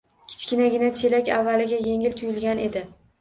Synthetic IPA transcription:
kʲʰɪ̥t͡ʃkʲɪnaɡʲɪnat͡ʃʰe̞lakʲavːalɪɡʲaje̞ŋɪlt̪ʰʊjɪlɡʲanʔe̞d̪ɪ

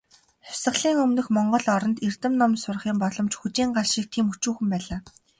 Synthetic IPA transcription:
χʊ̥sə̆ɮiːŋɵmnɵ̆xmɔɴɢɞ̆ɮɔɾɞ̆nt̪irt̪ɘ̆mnɔmsʊrχiːmpɔɮɞ̆mt͡ɕxut͡ɕiːŋɢaɮʃiːk̚t̪ʰiːmut͡ɕuːxɘ̆mpæːɮaː

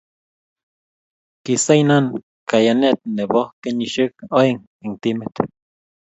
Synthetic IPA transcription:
kisainan | kajanet̪̚nebohkeniʃəkoiŋ | iŋt̪imet̪

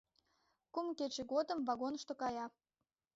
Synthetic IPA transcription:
kumket͡ɕĕɣod̪ə̆mvɑɣonəʃt̪okɑjɑ

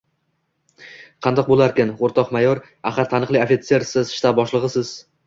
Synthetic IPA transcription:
qʰɑnd̪ɒq̚bolˠaɾkʲɪnoɾt̪ʰɒqmajɒɾ | aχaɾt̪ʰanɨqlˠiofʲit̪se̞ɾsɪzʃt̪abɒʃlˠɨʁɨsɪz

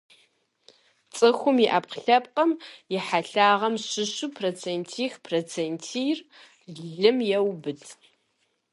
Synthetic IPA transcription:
t͡sʼɨxʷʊmjiʔaːpqɬɐp̚qʼɐmjɪħaɬaːʁɐmɕɪɕupʰrot͡sʰeːntʰiːxpʰrot͡sʰentʰir | ɮɮɨmjɛwbɨtʰ

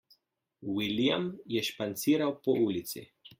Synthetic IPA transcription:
wilijamjɛʃpant̪siːɾawpɔʔuːlit̪sḭ

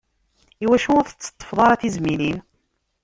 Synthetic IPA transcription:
iwæʃuʊɾθə̥t͡sːə̥t̪ˤːə̥fðˤɑɾˤɑθizmilin

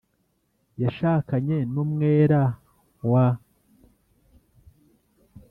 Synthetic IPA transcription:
jaʃaːkaɲe̞numŋe̞ːɾa | wa

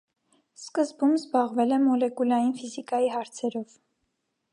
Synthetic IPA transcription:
skəzbumzbɑʁvɛlɛmɔlɛkulɑjinfizikɑjiɦɑɾt͡sʰɛɾɔv̥

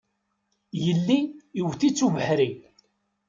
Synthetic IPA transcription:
jəlːiːwθit͡sːuvəħɾi

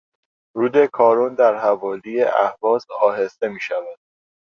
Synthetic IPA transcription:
ɾuːd̪e̞kʰɒːɾund̪æɾɦævɒːlijeʔæhvɒːsɒːɦe̞st̪e̞miːʃævæd̪̥

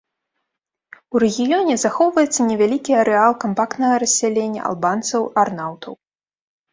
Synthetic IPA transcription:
uɾɛɣʲijɔnʲɛzaxɔwvɐjɛt̪sːɐnʲɛvʲalʲikʲiɐɾɛalˠkampakt̪nɐɣɐɾɐsʲːalʲenʲːɐ̰ʔa̰lˠbant̪sɐwarnawt̪ɐ̰w

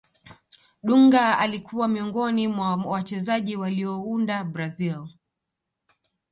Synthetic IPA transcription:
ɗuŋɡaalikuwamiɔŋɡɔnimwawat͡ʃɛzaʄiwaliɔundabɾazil

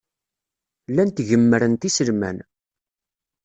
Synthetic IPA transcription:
lːænt̪ʝəmːəɾənt̪isəlmæ̰n

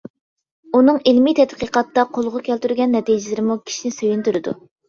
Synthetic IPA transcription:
unɨŋilmit̪ʰɛt̪qiqɑt̪ːɑqʰolˠʁʊkʲʰælt̪yɾɡʲɛnːɛt̪ijd͡ʒɪlɪɾɪmukʲʰi̥ʃinɪsøjynt̪yɾɨd̪ṵ

